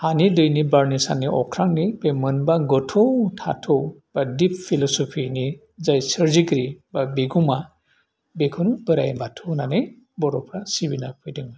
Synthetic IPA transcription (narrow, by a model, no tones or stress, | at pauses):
hanidɯjnibaɹnisa̰niʔɔkʰɾaŋnibemɯnbaɡɔtʰɔtʰa̰tʰɔb̥adippʰːilɔsɔpʰini | zajsəɾziɡɾibabiɡuma | bekʰɯnubɯɾa̰jbatʰɔnanɯj | bɔɾɔpʰɾasibinapʰɯjdɯŋ